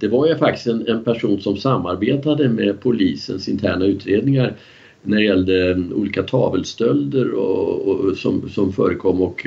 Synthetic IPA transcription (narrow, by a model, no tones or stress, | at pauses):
d̪̥ɛvaɾjfak̚t̪ɪ̥st̪ɛnɛnpʰæʂuːnsɔmsamːaɾbeːt̪ad̪əmɛpʰʊliːsə̰nsɪnt̪ʰæ̰ːɳaʉ̟ːt̪ɾeːd̪nɪŋaɾ | næɖɛjɛld̪əṵːliːkat̪ʰɑːvəlst̪œld̪əɾɔ̰ | sɔ̰msɔmfœ̰ːɾəkʰɔmːɔk